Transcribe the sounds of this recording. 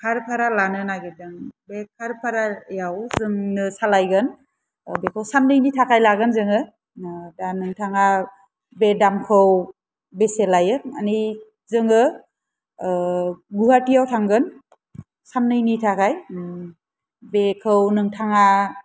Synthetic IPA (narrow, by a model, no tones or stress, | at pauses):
kʰaɾpʰaɾalanɯnaɡedɯŋbekʰaɾpʰaɾajawzɯŋnɯsalajɡɯn | bekʰɯwsanːɯjnitʰakʰajlaɡɯnzɯŋɯ | danɯŋtʰaŋa | bedamkʰɯw | beselajɯa̰ni | zɯŋɯ | ɡuhatijawtʰaŋɡɯn | sanːɯjnitʰakʰaj | bekʰɯwnɯŋtʰaŋa